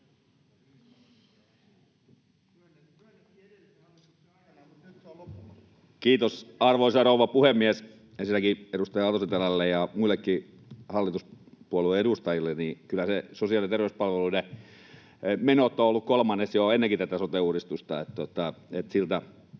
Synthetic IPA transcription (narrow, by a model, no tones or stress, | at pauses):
kiːt̪osɑrʋoisɑrouʋɑpuhemːies | esilːækieɾust̪ɑjɑɑt̪oset̪elælːejɑmuilːekːi | hɑlːit̪uspuoluˑeeɾust̪ɑjilːenikylːæsesosiɑlit̪erʋeyspɑlʋelune | menot̪ːˑoolːukkolmɑnːesjoenːeŋkit̪æt̪æsot̪euːɾist̪ust̪ɑet̪t̪ot̪ːɑet̪silt̪æ